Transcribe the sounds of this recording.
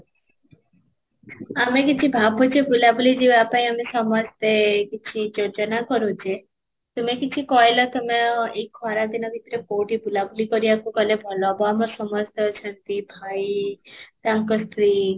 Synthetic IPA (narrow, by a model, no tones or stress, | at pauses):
amekit͡ʃʰibʱabɔt͡ʃebulabulid͡ʒebapaĩamesɔmɔst̪ekit͡ʃʰid͡ʒod͡ʒɔnakɔɾut͡ʃe | t̪umekit͡ʃʰikɔjlɔt̪ɔmeekʰɔɾad̪inɔbʱit̪ɾekoʈibulabulikɔɾiakukɔlebʱɔlɔbɔamɔsɔmɔst̪ɔt͡ʃʰɔnt̪ibʱajt̪aŋkɔst̪ɾi